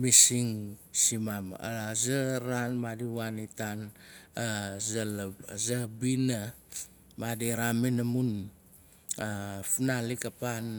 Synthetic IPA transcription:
misiŋsimama̰zaɾanmadiwanitanazalzabina | madiɾaminamun | afunalikapan

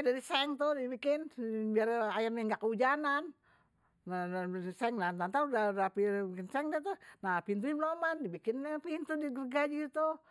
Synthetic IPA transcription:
dadisɛŋt̪udibikɪnbiarajarɲaŋɡaʔkəud͡ʒanan | aaadisɛŋnat̪ant̪audadapibikɪnsɛŋdiat̪uhnapint̪uimlomandibikɪnpint̪udiɡərɡad͡ʒit̪u

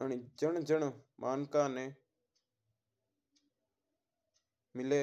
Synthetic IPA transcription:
əɳiːd͡ʒəɳd͡ʒəɳmʔaːnkaːneː | mɪleː

